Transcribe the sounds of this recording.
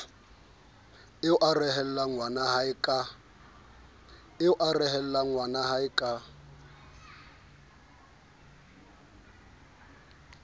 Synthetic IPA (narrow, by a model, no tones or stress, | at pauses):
ɪɔʔarɛɦɛl̩laŋwanaɦaikʼa | ɪɔʔarɛɦɛl̩laŋwanaɦaɪkʼa